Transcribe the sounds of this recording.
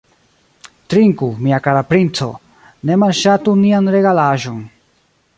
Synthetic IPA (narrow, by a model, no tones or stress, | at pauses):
tɾiŋkumiakaɾapɾint͡so̰ | nemalʃatunianɾeɡalaʒo̞n